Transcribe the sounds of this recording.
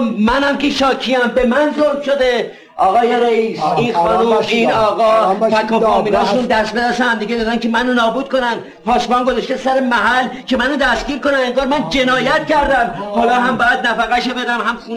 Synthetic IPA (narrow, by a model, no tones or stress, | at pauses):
mænhæmkeʃɒːkʰiæmbe̞mænzoɾmʃo̞d̪e | ʔɒːɣɒːje̞ɾeiːsinxɒːnuːmiːnɒːɣɒːfækʰːɔɒːmiːnɒːʃund̪æst̪̚be̞d̪æsehæmd̪iɡʲɟed̪ɒd̪ænkʰemænonɒːbuːd̪̥̚kʰo̞nænd̪ | pʰɒːsbɒːnɡozɑʃt̪esæɾemæɦælːcʰe̞mænod̪æst̪ɟ̥ʲiːɾkonæneŋɡɒːɾmænd͡ʒe̞nɒːjæt̪cæɾd̪æmhɔlɒːɦæmbɒːjæd̪næfæɣæʃebed̪æmhæmxu